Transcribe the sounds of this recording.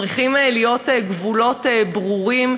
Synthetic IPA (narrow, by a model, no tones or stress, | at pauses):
ʁiχimelijo̞teɡvulo̞tebʁuʁim